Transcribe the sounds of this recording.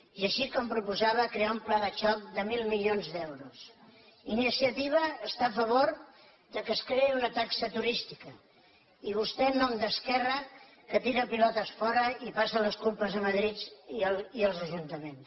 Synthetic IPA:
iəʃikɔmpɾupuzaβ̞əkɾeaumplaðət͡ʃɔk̚d̪əmilˠmilionzd̪ɛwɾus | inisiət̪iβ̞əːst̪aːfəβ̞oɾ | d̪əkəskɾeiunət̪aksət̪uɾist̪ikə | iβ̞ust̪ɛnːɔmd̪əskɛrə | kət̪iɾəpilɔt̪əsfɔɾəipasələskulpəzðəməðɾit̪əliəlˠzəʒunt̪əmens

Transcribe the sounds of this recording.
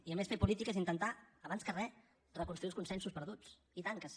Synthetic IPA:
iəmesfepulit̪ikəzint̪ənt̪aːβanskərɛ | rəkunt̪ɾuiuskunsɛnsuspəɾðut͡s | it̪aŋkəs

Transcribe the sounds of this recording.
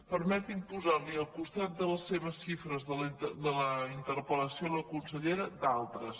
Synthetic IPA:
pəɾmɛt̪impuzaɾliəlˠkust̪at̪̚d̪ələsːeβəsʃifɾəzəd̪ələint̪əɾpələsioləkunsəʎeɾəd̪alˠt̪ɾəs

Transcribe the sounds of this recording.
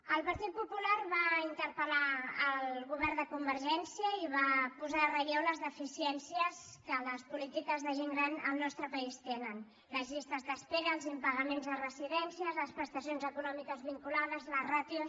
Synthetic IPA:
əlˠpəɾt̪it̪̚pupularβaint̪əɾpəlaːlɣuβ̞ɛɾnd̪əkumbəɾʒɛnsiəiβapuzaːrəoləzðəfisiɛnsiəskələspulit̪ikəzðəʒeŋɡɾanəlˠnɔst̪ɾəpəist̪enən | ləzʎist̪əzd̪əspeɾəlˠzimpəɣəmenzðərəziðɛnsiəzləspɾəst̪əsionzəkunɔmikəzβiŋkulaðəzlərat̪iu

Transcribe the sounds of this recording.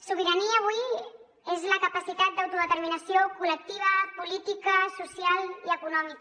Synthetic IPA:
suβ̞iɾaniəːβ̞ui | ezləkəpasit̪at̪̚d̪awt̪uðət̪əɾminəsiokulək̚t̪iβ̞əpulit̪ikəsusijaliəkunɔmik

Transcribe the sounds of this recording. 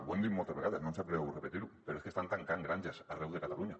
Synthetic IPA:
βwend̪imot̪aβeɣaðasnonsapɾeewure̞pet̪iɾupeɾoeskest̪ant̪aŋkaŋɡɾant͡ʃasarewðe̞kat̪aluɲa

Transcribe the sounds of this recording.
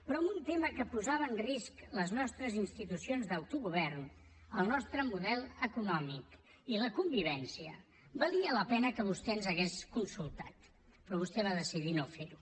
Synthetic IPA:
pɾɔəmbunt̪eməkəpuzaβəːnriskləznɔst̪ɾəzinst̪it̪usionzðəwt̪uɣuβ̞ɛrn | əlˠnɔst̪ɾəmuðɛlˠəkunɔmik | iləkumbiβɛnsiə̰ | bəliələpɛnəkəβust̪ɛənzəɣeskunsulˠt̪a̰t̪ | pɾɔβ̞ust̪ɛβaðəsiðinofeɾu

